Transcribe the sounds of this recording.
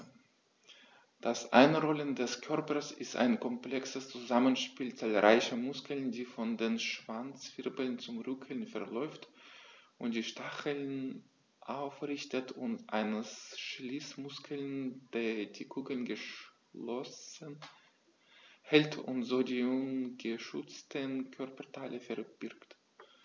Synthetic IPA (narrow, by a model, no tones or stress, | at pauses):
d̥asʔa̰ɪnʁɔləndɛskʰœɐpɐsɪsta̰ɪnkʰɔmpl̥ɛksəst͡suzamənʃpiːlt͡saːlʁaɪçəmʊskl̩ndiːfɔndeːnʃv̥ant͡sv̥ɪʁbəl̩nt͡sʊmʁʏkʰəl̩nfɛɐlɔʏftʔʊnt̚d̥iːʃtaχəln | ʔaʊfʁɪçtətʊntʔa̰ɪnəsʃlismʊskʰl̩nd̥eːd̥iːkʰuːkəl̩nɡəʃ | lɔsən | hɛltʰʊ̰ntz̥oːdiːunɡəʃʏt͡stʰənkʰœɐpɐtʰaɪlʔəfɛɐb̥ɪɐkt